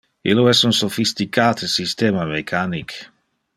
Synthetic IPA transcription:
ḭloɛsunsofist̪ikʰaːt̪esist̪ɛːmamekʰanik

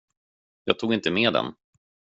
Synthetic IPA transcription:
jɑːɡ̚t̪ʰuːɡɪnt̪əmeːd̪ɛ̰n

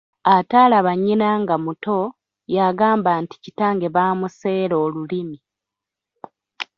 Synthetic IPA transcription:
ataːlaβaɲinaŋɡamuto̞ | jaɡaːmbaːnti̥ci̥taːŋɡe̞βaːmuse̞ːɾo̞ːlulimi

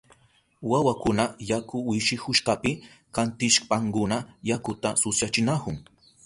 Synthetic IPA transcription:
wawakʊnajakʊwɪʃɪhʊʃkapɪ | kant̪ɪʃpaŋkʊnajakʊt̪asʊsjat͡ʃɪnakʊŋ

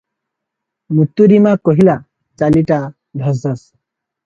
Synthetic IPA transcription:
mut̪ːuɾimakɔɦila | t͡ʃaliʈa | d̪ʱɐzas

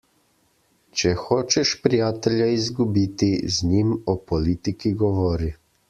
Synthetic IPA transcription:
t͡ʃɛxoːt͡ʃɛʃpɾijaːt̪ɛljaizɡubiːt̪izɲimɔpɔliːt̪ikiɡɔʋɔɾi

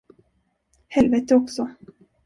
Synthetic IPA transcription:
hɛlvɛːt̪əɔksɔ

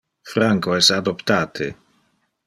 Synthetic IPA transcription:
fɾaŋkoɛsad̪opt̪aːt̪ʰḛ

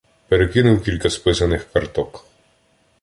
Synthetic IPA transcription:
peɾekɪnʊwkʲilʲkɐspɪsɐnɪxkɐrt̪ɔk

